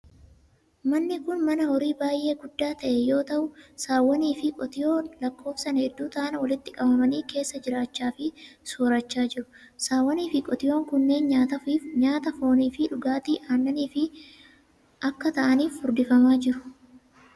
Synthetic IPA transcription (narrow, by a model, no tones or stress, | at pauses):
mɐnːɪkʊnmɐnɐhɔɾiːbaːjʔe̞ːɡʊd̪ːaːt̪ɐʔɛjo̞ːt̪ɐʔʊsaːwːɐniːfɪkʼɔt̪ɪjo̞ːlɐkːo̞ːfsɐnɐhɛd̪ːuːt̪ɐʔɐnɐwɐlɪt̪ːɪkʼɐbɐmɐniːke̞ːsːɐd͡ʒɪɾaːt͡ʃːaːfɪsoːɾɐt͡ʃːaːd͡ʒɪɾʊ | saːwːɐniːfɪkʼɔt̪ɪjo̞ːŋkʊnːe̞ːnɲaːt̪ɐfiːfɲaːt̪ɐfo̞ːniːfɪᶑʊɡaːt̪iːʔaːnːɐniːfɪ | ʔɐkːɐt̪ɐʔɐniːfhʊɾd̪ɪfɐmaːd͡ʒɪɾʊ̥